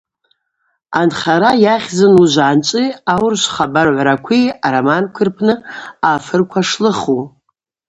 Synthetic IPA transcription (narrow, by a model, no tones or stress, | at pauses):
anχaɾajaχʲzɨnuʒʷaant͡ʃʷʼiawrʃʷχabarʕʷɾakʷʰiaɾamankʷʰɨrpʰnɨafɨrkʷʰaʂlɨχu